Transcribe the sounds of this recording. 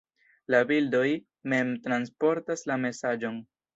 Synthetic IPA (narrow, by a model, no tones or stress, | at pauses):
labildo̞j | me̞mtɾanspo̞ɾtaslame̞sad͡ʒo̞n